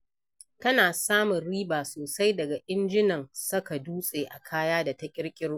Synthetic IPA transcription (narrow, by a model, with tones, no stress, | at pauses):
tɐ˦naː˨saː˦mʊ˨nɾiː˦baː˨soː˨sa˦jdɐ˨ɡa˨ʔɪ˦nd͡ʒɪ˦nɐ˨ŋsʊ˦ka˨duː˦sʼeː˨ʔa̰˨kʰaː˦jaː˦da˨tɐ˦kʲʼɪ˦ɽkʲʼɪ˦ɽː